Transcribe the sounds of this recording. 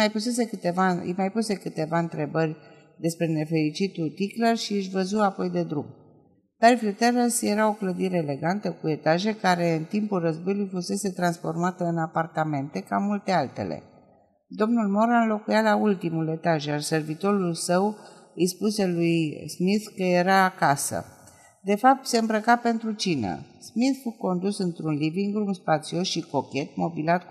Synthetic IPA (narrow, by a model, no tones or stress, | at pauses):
majpuse̞se̞kɨt̪evaɨ̰jmajpuse̞kɨt̪e̞vaɨnt̪ɾe̞bərʲ | d̪e̞spɾe̞ne̞fe̞ɾit͡ʃit̪ut̪iklərʃiɨʃ̬vəzuapo̞jd̪e̞d̪ɾum | d̪̥arfiut̪eɾəsje̞ɾao̞kləd̪iɾe̞ːle̞ɡant̪əkue̞t̪aʒe̞kaɾe̞ɨnt̪impulrəzbo̞julujfuse̞se̞t̪ɾansfo̞rmat̪əɨnapart̪ame̞nt̪e̞kamult̪e̞alt̪e̞̰lḛ | d̪o̞mnulmo̞ɾanlo̞kujalault̪imule̞t̪aʒjarse̞rvit̪o̞ɾulsəw | ijspuse̞lujsmiθkːəje̞ɾaːkasə̰ | d̪e̞fap̚t̪se̞ɨmbɾəkape̞nt̪ɾut͡ʃinə̰ | smiθfuko̞nd̪usɨnt̪ɾunliviŋɡɾumspat̪sio̞sʃiko̞kʲe̞t̪̚mo̞bilat̪